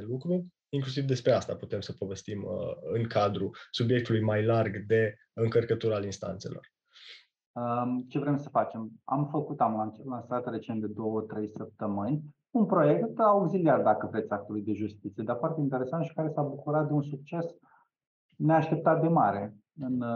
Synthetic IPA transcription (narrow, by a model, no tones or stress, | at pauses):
lukɾurʲ | iŋklus̬ivd̪e̞spɾeast̪a̰put̪e̞msəpove̞st̪imɨŋkʰad̪ɾusubje̞k̚t̪ulujmajlarɡd̪e̞ | ɨŋkərkət̪uɾalinst̪a̰nt̪se̞̰lʔo̞̰r | ət͡ʃe̞vɾe̞msəfat͡ʃe̞ma̰mfəkut̪amlanlansat̪re̞t͡ʃent̪̚d̪e̞d̪o̞wət̪ɾe̞jsəp̚t̪əmɨnʲ | unpɾo̞je̞kt̪auuɡsiliat̪̚d̪akəvɾe̞t̪sʲak̚t̪ulujd̪e̞ʒust̪it̪sied̪aɾfoart̪eint̪e̞ɾe̞sant̪ʃi̥kaɾe̞sabukuɾat̪̚d̪eunsuk̚t͡ʃe̞s | neaʃt̪e̞p̚t̪at̪̚d̪e̞maɾe̞ | ɨn